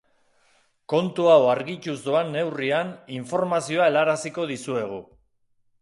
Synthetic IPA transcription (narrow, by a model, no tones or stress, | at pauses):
ko̞nt̪uawaɾɣit͡ʃuzd̪o̞anːe̞wrianiɱfo̞ɾmasio̞ae̞laɾasiko̞ð̞isue̞ɣ̞u